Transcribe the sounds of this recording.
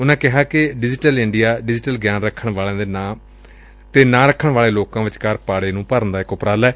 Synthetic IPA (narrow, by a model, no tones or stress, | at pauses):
ʊnãːkɪɦaːkɪɖɪd͡ʒɪʈəlɪɳɖijaːɖɪd͡ʒɪʈəlɡjaːnɾəkʰːəɳʋaːlãːd̪eːnãːm | t̪eːnãːɾəkʰːəɳʋaːleːloːkãːʋɪt͡ʃkaːɾpaːɽeːnũːpəɾənd̪aːɪkʊpɾaːlɛː